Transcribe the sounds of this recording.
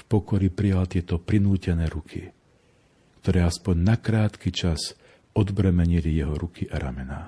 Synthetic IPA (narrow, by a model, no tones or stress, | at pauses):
fpɔkɔɾipɾijalt̪ɪɛt̪ɔpɾinuːcɛnɛːɾukʰḭ | kt̪ɔɾɛːaspɔɲnakɾaːt̪kit͡ʃas | ɔd̪bɾɛmɛɲilijɛɦɔɾukʰiʔaɾa̰mɛna̰ː